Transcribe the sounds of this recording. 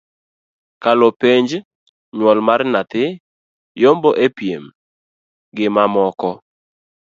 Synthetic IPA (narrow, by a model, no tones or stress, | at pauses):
kalopeɲd͡ʒ | ɲwɔlmarnat̪ɪ | jomboʔepjem | ɡɪmamɔkɔ